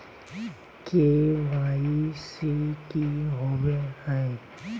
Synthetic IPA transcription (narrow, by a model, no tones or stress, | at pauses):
keʋaːisekiɦobehɛ̃